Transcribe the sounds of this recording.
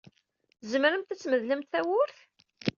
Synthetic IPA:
zəməɾəmt̪æt͡sːməðləmt̪θæwʊɾθ

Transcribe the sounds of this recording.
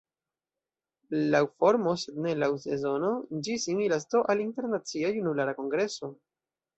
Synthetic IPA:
lawfo̞ɾmo̞se̞d̪ne̞lawse̞zo̞no̞d͡ʒisiŋilas̬t̪oʔalinte̞ɾnat͡siajunulaɾako̞ŋɡɾe̞so̞

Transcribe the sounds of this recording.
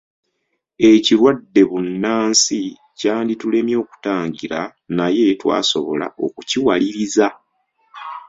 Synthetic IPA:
e̞ciɾwadːe̞βunːaːnsi | caːnditule̞mjo̞ːku̥taːɲɟiɾanaje̞twa̰ːso̞βo̞̰la̰o̞̰kuciwaliɾiza

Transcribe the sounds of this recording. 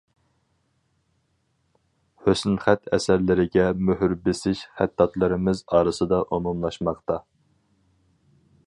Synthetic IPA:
høsnχæt̪ʰɛ̰sæɾlɪɾɪɡʲɛmøɦyɾbɪsɪʃχæt̪ːɑt̪lˠɨɾɪmɪzɑːɾɨsɨd̪ɑʔomumlˠɑʃmɑqt̪ɑ

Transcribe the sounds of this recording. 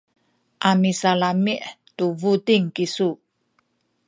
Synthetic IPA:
ʔamisalamiʔtuvutiŋkisu

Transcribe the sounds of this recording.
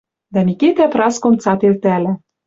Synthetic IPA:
d̪æmʲikit̪æprɑskomt͡sɑt̪elt̪ælæ

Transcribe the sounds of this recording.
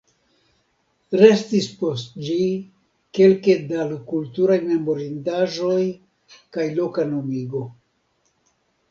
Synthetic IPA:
ɾe̞stispo̞std͡ʒi | ke̞lke̞dalkultuɾajme̞mo̞ɾindaʒo̞j | kajlo̞kanomiɡo̞

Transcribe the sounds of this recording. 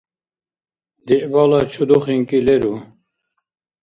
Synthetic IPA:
d̪iʔbɑlɑt͡ʃʰud̪uχiŋkilɛɾu

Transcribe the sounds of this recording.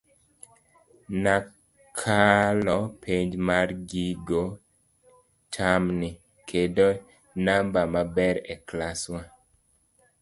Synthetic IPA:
na | kʰalɔpʰeɲd͡ʒmarɡiɡo | tʰamnɪ | kʰedo | nambamabɛɾɛklaswa

